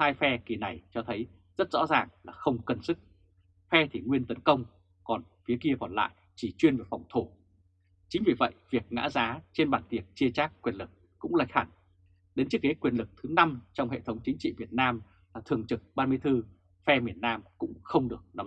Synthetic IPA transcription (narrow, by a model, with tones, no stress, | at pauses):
haː˧jfɛ˧ki˨˩na˨˩jt͡ɕɔ˧t̪ʰə˨˦j | z̥ə˦˥t̚zɔ̰˧˥zaː˨˩ŋlaː˨˩xə˧wŋ͡mkə˧nsɨ˦˥k̚ | fɛ˧t̪ʰi˨˩ŋwi˧ənt̪ə˨˦nkə˧wŋ͡m | kɔ˨˩nfi˨˦əki˧əkɔ˨˩nla̰ː˧˨j | t͡ɕi˧˩t͡ɕwi˧nvə˨˩fa˨˩wŋ͡mt̪ʰo˧˩ | t͡ɕï˨˦ŋ̟vi˨˩və̰˧˨jvi˨˩ək̚ŋa̰ː˧˥zaː˨˦t͡ɕe˧nɓaː˧˩nt̪i˨˩ək̚t͡ɕi˧ət͡ɕaː˦˥k̚ːwi˨˩ənlɨ˨˩k̚ːʊ̰˧˥ŋ͡mlaː˨˧˩jk̚xa˧˩ŋ | ɗe˨˦nt͡ɕi˦˥ke˨˦kwi˨˩əlɨ˨˩k̚t̪ʰɨ˨˦na˧mt͡ɕɔ˧wŋ͡mhḛ˧˨t̪ʰə˨˦wŋ͡mt͡ɕï˨˦ŋ̟t͡ɕḭ˧˨vi˨˩ət̚naː˧m | laː˨˩t̪ʰɨ˨˩əŋt͡ɕɨ˨˩k̚ɓaː˧nmɨ˧əjt̪ɨ˧ | fɛ˧mi˨˩ənːaː˧mkʊ̰˧˥ŋ͡mxə˧wŋ͡mɗɨ˨˩ək̚nɔ˨˦